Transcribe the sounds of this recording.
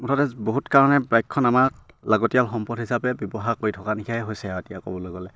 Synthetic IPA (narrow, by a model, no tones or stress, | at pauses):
mɔtʰatɛboɦutkaɹɔnɛbajkʰːɔnamak | laɡɔtijalxɔmpɔthisapɛbjɔbɔɦakojtʰɔkanikʰajɦojsɛaetijakɔ̰bɔlojɡɔlɛ